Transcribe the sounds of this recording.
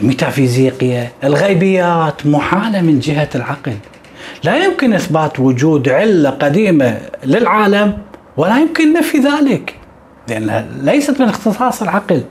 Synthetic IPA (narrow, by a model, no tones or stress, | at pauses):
mɪt̪afiːziːqɪjaʔɪlɣajbɪjːaːt̪mʊħaːlamɪnd͡ʒɪɦalʕaql | lajʊmkɪnʔɪθbaːt̪wʊd͡ʒuːd̪ʕɪlːaqad̪iːmalɪlʕaːlam | wɪlajɪmkɪnːafiðaːlɪk | lɪʔanːha̰lejsat̪mɪnɪxt̪ɨsˤɑːsˤɪlʕɑql